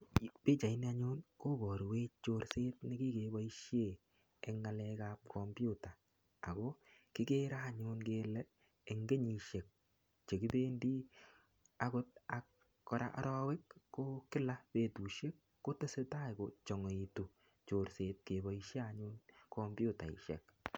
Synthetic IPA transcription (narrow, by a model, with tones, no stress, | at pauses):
pe˦t͡ʃa˨i˦ni˦a˦ɲʊ˦nko˦bɔ˨ɾwe˦t͡ʃo˧ɾse˦t̚nɪ˦ki˦ke˨bɔ˦i˦ʃje˦˨ | ɛ˨˦ŋa˨lɛ˦ka˦p̚kʰɔ˨mbu˦taː˨ | ɡo˦kɪ˦ke˦ɾaː˦˨ɲʊ˦nke˦lɛ˦ | e˨ŋɡe˦ɲi˨ʃe˨k̚ | t͡ʃe˨ki˦beː˦ndi˦ | a˦kʊ˦t̚a˨k̚ː | ɔ˨ɾa̰˨ʔa˦ɾɔ˦we˦kːo˦kɪ˦la˦pe˨tu˨ʃe˦kːo˦te˦se˦ta˦jko˨t͡ʃɔ˨ŋo˨i˨tu˨ | t͡ʃo˨ɾse˨t̚ke˨bɔ˨i˦ʃe˦a˨ɲʊ˦nkʰɔ˦mbju˦ta˨ḭ˨ʃɛ̰˨k̚